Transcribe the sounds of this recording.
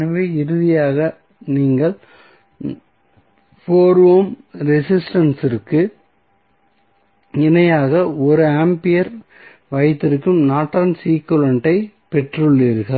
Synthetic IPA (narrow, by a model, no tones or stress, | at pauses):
nɐʋeːɪɾɯðɪjaːɣɐ | niːŋɡɐɭ | foːɾʋoːmɾɛsɪsʈɐnsɪɾkːɯ | ɪnɐjaːɣɐɔɾɯaːmpɪjɐɾ | ʋɐjt̪ːɪɾɯkːɯmnaːʈːɾɐnsiːkɯɭɐɳʈːɐɪ | pɛʈrɯɭːiːɾɣɐɭ